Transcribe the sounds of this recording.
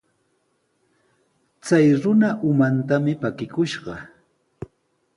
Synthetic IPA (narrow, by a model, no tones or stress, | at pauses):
t͡sajɾʊnaʔʊmant̪amɪpakɪkʊʃɢɑ